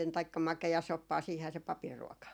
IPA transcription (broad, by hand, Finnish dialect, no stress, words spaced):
tɑikːɑ mɑkeɑsopːɑː siːhæː se pɑpir ruɔkɑ